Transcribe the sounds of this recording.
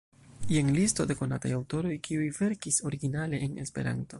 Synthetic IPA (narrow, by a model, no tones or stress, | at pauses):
jenlisto̞de̞ko̞na̰tajawto̞ɾo̞jkʰiujve̞ɾkiso̞ɾiɡinale̞ʔːnespe̞̰ɾa̰nto̞